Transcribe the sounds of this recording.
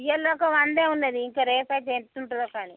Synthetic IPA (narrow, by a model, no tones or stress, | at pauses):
jɐloːkɐʋɐnd̪eːunːeːd̪iːŋkaːɾeːpaːt͡ʃeːɳuɳʈunokaːni